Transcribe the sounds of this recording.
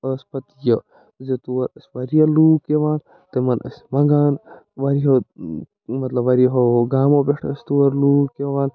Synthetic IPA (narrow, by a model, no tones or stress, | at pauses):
əspɐt̪ijɐ | zet̪uʋɐɾɐsʲʋɐɾijɐluːkeʋaːn | t̪ɐmɐnʔɐ̰smɐŋɡaːn | ʋɐɾiɦo | mɐt̪lɐbʋɐɾiɦoɡaːmobʲeʂʈʰəst̪uʋɐɾluːkjɐʋaːn